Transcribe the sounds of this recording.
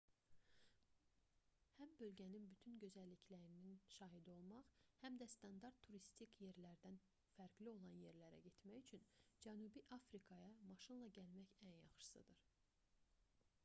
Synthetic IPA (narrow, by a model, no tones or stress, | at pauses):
hæmbø̞lɟæninbyt̪ʰynɟø̞zælːicʰlæɾininʃɑːɦid̪io̞lˠmɑχhæmd̪æst̪ʰɑnd̪ɑɾt̪ʰːuɾist̪ʰikje̞ɾlæɾd̪æn | fæɾɡlio̞lˠɑnje̞ɾlæɾæ̰ɟe̞t̪mæçyt͡ʃʰynd͡ʒænubiʔɑfɾikʰɑjɑmɑʃɯnlˠɑɟælmæçænjɑχʃɯ̥sɯ̰d̪ɯɾ